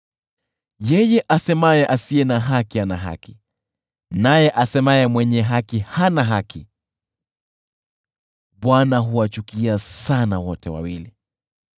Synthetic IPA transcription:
jɛjɛʔasɛmajɛʔasiɛnaɦakianaɦa̰ki | najɛʔasɛmajɛmwɛɲɛɦakihanaɦaki | ɓwanaɦuwat͡ʃukiasanawɔtɛwa̰wili

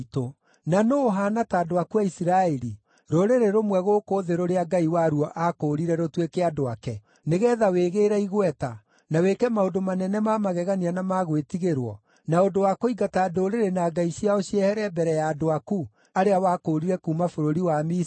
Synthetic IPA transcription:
to | nanoːɦaːnataːdoakuaisiɾaɛɾi | ɾoɾeɾeɾomwɛɣoːkoːðeɾoɾeaɡaiwaɾuɔʔakoɾiɾɛɾotwekeadoakɛ | neɣɛːðaweɣeːɾɛiɣwɛta | nawekɛmaodomanɛnɛmamaɣɛɣanianamaɣwetiɣeɾwɔ | naondowakoiɡataːdoɾeɾenaːɡaiɕiaoɕiɛhɛɾɛbɛɾɛjaːdoaku | aɾeawakoɾiɾɛkuːmafoɾoɾiwami

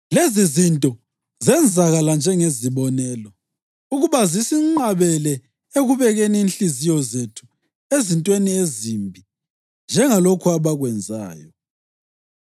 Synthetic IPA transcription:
lezizintʼɔ | zɛnd͡zʱaɣaland͡ʒʱɛŋeziβɔnɛːlɔ | uɣuβazisiŋ͡ǃaβɛlɛ | eɣuβɛɣeniinɬizijɔzetʰu̥ | ezintʼweniezimbʱi | nd͡ʒʱɛŋalokʰuaβaɣwɛnd͡zʱa̰ːjɔ

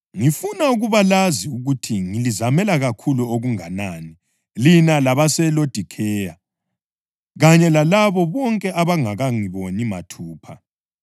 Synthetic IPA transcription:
ŋifunauɣuβalaziuɣutʰiŋilizamɛlaɣakʰuluoɣuŋanani | linalaβasɛlod̥ʱikʰɛːja | ɣaɲɛlalaβɔβɔŋkʼɛʔaβaŋaɣaŋiβonima̰tʰuːpʰa

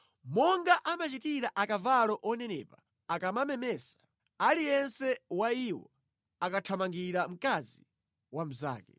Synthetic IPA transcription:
mɔŋɡaʔamat͡ʃitiɾaʔakavalɔʔɔnɛnɛ̰ːpa | akamamɛmɛːsḁ | alijɛnsɛwaiwɔ̰ | akatʰamaŋɡiɾam̩kazi | wam̩za̰ːkɛ

